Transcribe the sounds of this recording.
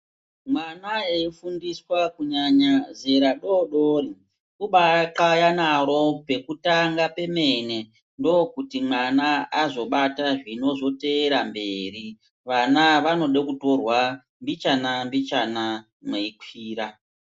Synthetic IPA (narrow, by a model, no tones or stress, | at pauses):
mwanaeifundiswakuɲaɲaze̞ɾaɗoɗori | kuɓaǁajanaɾo̞pe̞kutaŋɡape̞me̞ne | ndo̞kutimwanaːzo̞ɓataʐino̞zo̞te̞ːɾambe̞ɾi | ʋanaʋano̞ɗekuto̞rwa | mbit͡ʃanambit͡ʃana | meikʰiːɾa